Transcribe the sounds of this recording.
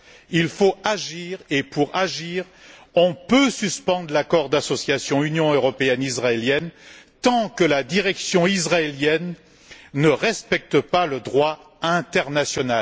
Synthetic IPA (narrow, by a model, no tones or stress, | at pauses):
ilfoaʒiːʁepuʁaʒiːʁ | ɔ̃pøsyspɑ̃d̪ʁlakɔʁd̪asɔsjasjɔ̃ynjɔ̃øʁɔpeɛnizʁaeljɛnt̪ɑ̃kəlad̪iʁɛksjɔ̃izʁaeljɛnː | əʁɛspɛk̚t̪əpaləd̪ʁwa | ɛ̃t̪ɛʁnasjɔna